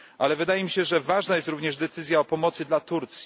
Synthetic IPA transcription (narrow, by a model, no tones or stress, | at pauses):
ʔalɛvɘd̪ajɛmʲiɕɛʐɛvaʐnajɛst̪ɾuvɲɛʐd̪ɛt̪sɘzʲjaɔpɔmɔt̪sɘd̪lat̪uɾt̪sʲji